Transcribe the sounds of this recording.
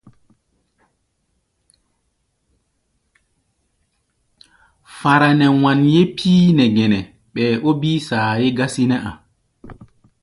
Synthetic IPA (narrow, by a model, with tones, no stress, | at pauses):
fa˨ɾa˨nɛ˨wa˨nje˦pʰːiː˦nɛ˨ɡɛ˨nɛ˨ | ɓɛː˨ʔo˦biː˦saː˨je˦ɡa˦si˦nɛ˦ʔa˨